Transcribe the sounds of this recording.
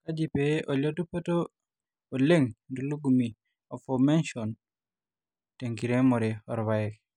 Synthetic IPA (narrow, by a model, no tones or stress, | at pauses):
kad͡ʒipeʔolotupəto | oleŋnduluɡumi | ofomenʃon | teŋkiɾemoɾeɔɾβajek